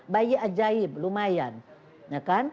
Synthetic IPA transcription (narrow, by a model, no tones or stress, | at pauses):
bajiʔad͡ʒaiblumajan | ɲakan